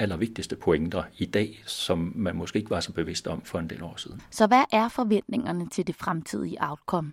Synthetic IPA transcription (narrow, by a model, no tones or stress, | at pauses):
ælɐʋe̝ɡ̥̚d̥isd̥əpʰo̝eŋd̥ɐid̥ɛ̰ːsɒ̽mːænmɔsɡ̥e̝̰eɡ̥ʋɑ̈sɒ̽b̥e̝ʋe̝sd̥ɒ̽mfɒ̽e̝nd̥e̝̰ːlɒ̰ːsiðˠn̩sɒ̽ʋæʔæɐfɒ̽ʋen̰d̥ne̝ŋɐnət͡sʰe̝ld̥e̝fʁamt͡sʰḭð̞̰ˠiəʔɑ̈ʊd̥kʰɒ̽m̰